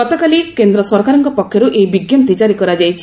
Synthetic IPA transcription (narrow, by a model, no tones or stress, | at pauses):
ɔt̪ɔkalikend̪ɾɔsɔɾkaɾɔŋkɔpɔkʰːjɔɾuʔejbiɡjɔmt̪it͡ʃaɾikɔɾad͡ʒajt͡ʃʰi̥